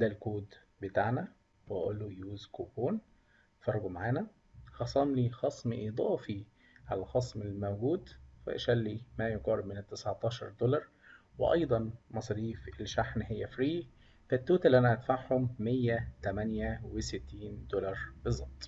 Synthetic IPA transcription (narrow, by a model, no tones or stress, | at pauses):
d̪æːlkoːd̪ | bet̪aʕnæ | wʔæ̰ʔolːojuːzkoːkoːn | fɑrˤːɡumaʕaːnæ | xɑsˤɑmlixɑsˤmiʔid̪ˤɑːfi | ʕalælxɑsˤmelmæwɡuːd̪fæ̰ʔæʃælːimæjoɡɑːɾɪbmɪnɪt̪ːɪsʕt̪ˤɑːʃɑ̰ɾˤd̪olɑɾˤ | wḛʔɑ̰jd̪ˤɑnmɑsˤɑɾiːfelʃaħnɦɪjːæfɾiː | fæt̪ːuːt̪ælʔænæʔæt̪faʕhʊmːejːæt̪æmænjæweset̪ːiːnd̪olɑɾˤbezˤːɑb̚t̪ˤ